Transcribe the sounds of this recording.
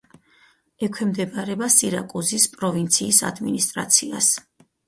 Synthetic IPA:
ɛkʰwɛmd̪ɛbaɾɛbasiɾa̰kʼuzispʼɾɔvint̪sʰiːsa̰d̪minist̪ʼɾa̰t̪sʰias

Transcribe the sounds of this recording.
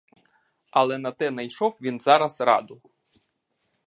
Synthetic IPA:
ɐlˠɛnɐt̪ɛnɐjʃɔwʋʲinzɑɾɐzɾɑ̰d̪ʊ

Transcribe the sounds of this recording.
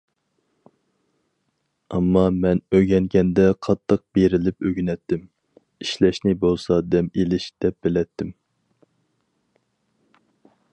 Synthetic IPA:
ɑmːɑmɛnøɡʲɛŋɡʲɛnd̪ɛqʰɑt̪ʰːəq̚b̥eɾɪlɪpøɡʲynɛt̪ʰːɪm | iʃlɛʃnɪbolˠsɑd̪ɛmelɪʃd̪̥ɛp̚b̥ɪlɛt̪ʰːɪm

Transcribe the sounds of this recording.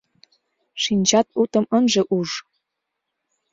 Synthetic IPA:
ʃinʲt͡ɕɑt̪̚ut̪ɤ̆mənʒĕʔuʐ

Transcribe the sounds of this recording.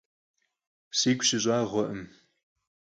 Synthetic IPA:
siːɡʷɕɪɕʼaːʁʷɔʔəm

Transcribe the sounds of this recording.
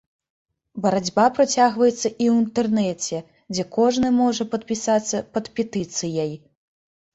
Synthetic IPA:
bɐɾɐd͡zʲbapɾɐt͡sʲaɣvɐjɛt̪sːɐʔiwint̪ɛrnɛt͡sʲɛ | d͡zʲɛkɔʐnɨmɔʐɐpɐt̪̚pʲisat̪sːɐpɐt̪pʲɛt̪ɨt̪sɨjɐj

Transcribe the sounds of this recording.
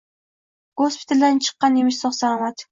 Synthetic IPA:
ɡ̥ospʰɪ̥t̪ʰald̪ant͡ʃʰɨ̥qːɑnjemɪʃsɒχsalɒmat̪

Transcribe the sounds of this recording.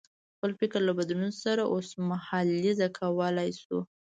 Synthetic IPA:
xpəlfɪkəɾlabad̪nunsaɾaʔosmahalizakʰawəlajsṵ

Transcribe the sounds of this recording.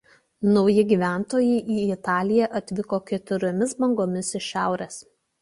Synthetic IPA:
nɒʊjɪɡʲiːʋʲæˑnt̪oːjɛɪʔiːɪt̪ɑːlʲɪjɛʔɐt̪ʲʋʲɪkoːkʲɛt̪ʊɾʲomʲɪsbɐŋɡoːmʲɪsɪʃʲæˑʊɾʲɛs

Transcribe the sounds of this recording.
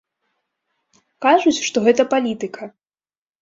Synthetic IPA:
kaʐut͡sʲʂt̪ɔɣɛt̪ɐpalʲit̪ɨkʰɐ

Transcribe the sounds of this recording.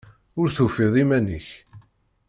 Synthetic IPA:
ʊɾθufɪðˤimænḭç

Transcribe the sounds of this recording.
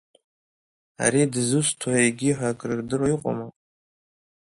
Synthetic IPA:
a̰ɾidzɨsʷtʰaeɡʲiħʷᶣakʼrɨrdɨrajiqʼo̰ma

